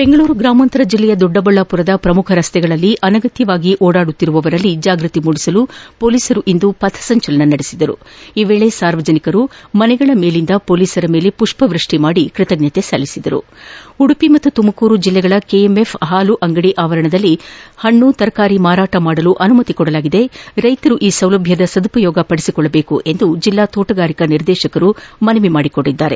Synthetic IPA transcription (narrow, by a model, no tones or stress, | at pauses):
be̞ŋɡɐɭuːɾuɡɾaːmɐnt̪ɐɾɐd͡ʒilːɛjɐd̪ɔɖːɐbɐɭːɐpuɾɐd̪ɐpɾɐmukʰɐɾɐst̪ɛɡɐɭɐlːiʔɐnɐɡɐt̪jɐʋaːɡiʔoːɽaːɽut̪ːiɾuʋɐʋɐɾɐlːid͡ʒaːɡɾɨt̪imuɽisɐlupo̞ːliːsɐɾuʔind̪upɐt̪ʰːɐ̥sɐɲt͡ʃɐlɐnɐnɐɽisid̪ɐɾṵiːʋeːɭe̞saːɾʋɐd͡ʒɐnikɐɾumɐnɛɡɐɭɐme̞ːlind̪ɐpo̞ːliːsɐɾɐme̞ːle̞puʂpɐʋɾɨʂʈimaːɽikɾit̪ɐɡɲɐt̪e̞sɐlːisid̪ɐɾṵuɽupimɐt̪ːut̪umɐkuːɾud͡ʒilːɛɡɐɭɐkeeme̞pʰɦaːluʔɐŋɡɐɽiʔaːʋɐɾɐɳɐd̪ɐlːihɐɳːut̪ɐɾɐkaːɾimaːɾaːʈɐmaːɽɐluʔɐnumɐt̪ikɔɽɐlaːɡid̪e̞ɾɐjt̪ɐɾuʔiːsɐwlɐbʱjɐd̪ɐsɐd̪upɐjɔːɡɐpɐɽisikɔɭːɐbe̞ːkuʔe̞nd̪ud͡ʒilːaːt̪oːʈɐɡaːɾikɐniɾd̪ɛːʃɐkɐɾumɐnɐʋimaːɽikoɽːid̪ːaːɾe̞